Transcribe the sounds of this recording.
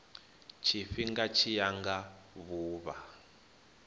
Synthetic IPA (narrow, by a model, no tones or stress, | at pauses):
t͡ʃʰifiŋɡat͡ʃʰijaŋɡa | βuːβa